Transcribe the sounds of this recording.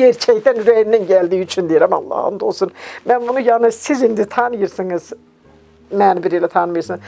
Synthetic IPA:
ɛɾt͡ʃʰɛct̪ænɾeninɟælʲd̪iːyt͡ʃʰynd̪ijeɾima̰lˠːa̰ːhɯ̰nd̪o̞lˠsunbænbunujanɯsizind̪it̪ʰanɯjɯɾsɯnɯz̥ | mænbiɾijlʲɛt̪ʰanmɯjɯɾsɯn

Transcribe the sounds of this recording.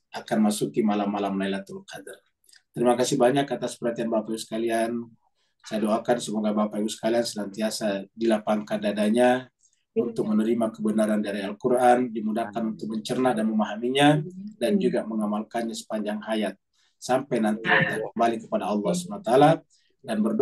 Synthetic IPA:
ʔakanmasukimalamːalamlailat̪ukadər | t̪əɾimakasɪhbaɲakːat̪aspəɾant̪ianbapaiusə̥kalian | sadoakansəmoɡabapaiusə̥kaliansənant̪iasadilapaŋkandadaɲa | unt̪ʊk̚mənəɾimakəbənaɾandaɾialkuɾʔandimudahkanunt̪ʊk̚məɲt͡ʃərnadanməmaɦamiɲadand͡ʒuɡaməŋamalkanɲasə̥paɲd͡ʒaŋɦajat̪̚ | sampajnant̪iat̪akəmbalikəpadaɑlːɑhsəanat̪aala | danbərd

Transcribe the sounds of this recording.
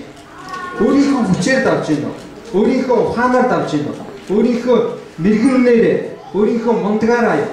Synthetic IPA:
oːɾiːxoːput͡ɕʰert̪awt͡ɕɪnɔ̰ | oːniːxɔʊχaːnaːrt̪awt͡ɕɪnd̪ɔ̰ | oːɾiːxoːmiɾɣnuneːɾeː | oːɾiːxoːmɔnt̪ɣaːɾaːjo

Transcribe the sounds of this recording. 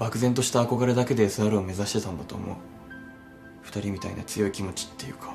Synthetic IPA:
bakɯ̟zẽ̞nt̪o̞ɕi̥t̪aːko̞ɡaɾe̞d̪ake̞d̪e̞sɨaɾɯ̟ome̞zaɕi̥t̪e̞t̪ãnd̪at̪o̞̰ːmo̰ | ɸɯ̟̥t̪aɾʲimʲit̪a̰ḭna̰t͡sɨjo̞ikʲimo̞t͡ɕi̥t̪ːe̞jɯ̟kḁ

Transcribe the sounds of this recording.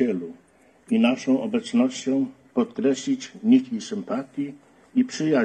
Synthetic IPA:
ɛlu | inaʂɔ̃w̃ʔɔbɛt̪snɔɕt͡ɕɔ̃w̃pɔt̪kɾɛɕlʲit͡ɕɲikʲisɘmpat̪ʲji | ipʂɘja

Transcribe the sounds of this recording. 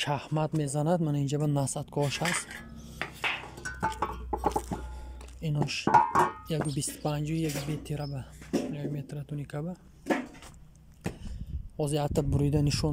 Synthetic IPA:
ʃahmad̪mezanad̪manaind͡ʒabanasat̪kʰɔʃast̪ | inɔʃjaɡubist̪pʰãnd͡ʒɔijaɡubet̪ʰeɾabajaɡmet̪ɾat̪ʰunikʰaba | hɔzehat̪ʰːabuɾud̪aniʃun

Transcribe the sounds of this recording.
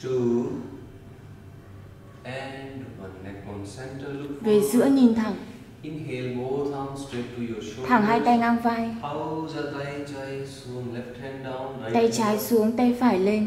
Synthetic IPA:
ʈu | ɛnɖwanɛk̚kɔnsɛ̃nʈəlkfvezɨ̰əɲint̪ʰaŋ | inɦelbot̪ʰãw̃nsʈekːujɔʃot̪ʰaːŋɦaːjt̪ajŋanvajhawzat̪ajt͡ʃajsunlɛfʈhɛ̃nɖãwnɾat̪ajt͡ɕaːjsuəŋt̪ajfaːjlen

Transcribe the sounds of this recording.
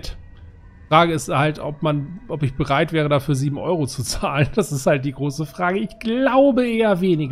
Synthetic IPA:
t | ʁ̥aːɡəɪsthaltɔp̚manʔɔpɪçb̥əʁaɪtv̥ɛːʁədaːfyːɐziːbm̩ʔɔ̰ʏʁ̞ot͡sut͡saːlənd̥asɪsthalt̚d̥iːɡʁoːsəfʁ̥aːɡəɪçɡ̥laʊbəʔeːɐveːnɪɡ

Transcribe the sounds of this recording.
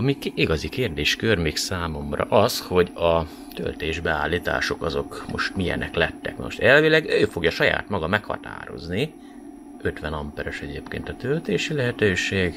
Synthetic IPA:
ɒmikiɡɒzikeːrd̪eːʃkørmiːksaːmo̞mrɒ̰ʔɒsho̞ɟɒ | t̪ø̰lt̪eːʒbɛaːlːiːt̪a̰ːʃo̞kɒzo̞kmo̞ʃt̪mijɛ̰nʔɛklɛt̪ːɛkmɛ̰moʃt̪ɛlvilɛɡøːfo̞ɡjɒʃɒja̰ːt̪mɒɡɒmɛkhɒ̰t̪a̰ːɾo̞̰zni | ø̞t̪ʋɛnɒmpɛɾoʃɛɟeːpkeːnt̪ɒt̪ølt̪eːʃilɛɦɛt̪øːʃeːɡ

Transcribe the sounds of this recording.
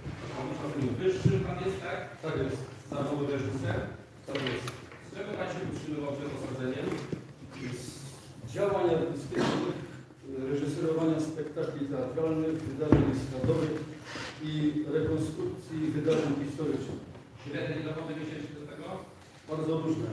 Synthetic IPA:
amamnavɘʂːɘp̪anjɛst̪ɛkt̪akjɛst̪zavɔwɔvɛʐɨsɛ | t̪akjɛst̪ | sɛmɨmat͡ɕɛutʂɨmɨvawd͡ʑʲɛlɔsazɛɲɛ | d͡ʑawaɲad̪ʲist̪ɘt͡ʃnɘx | ɾɛʐɘsɛɾɔvaɲaspɛkt̪aklʲit̪ɛat̪ɾalnɘxvɘd̪aʐɛɲskad̪ɔvɘxiɾɛkɔnst̪ɾup̚t̪sʲjivɘd̪aʐɛɲxʲist̪ɔɾɘt͡ʂnɪ̰x | ɕɾɛd̪ɲɛd̪avɔd̪ɛvʲeɕɛt͡ɕid̪ɔt̪ɛɡɔ | b̥aɾd̪zɔɾuʐnɛ̰

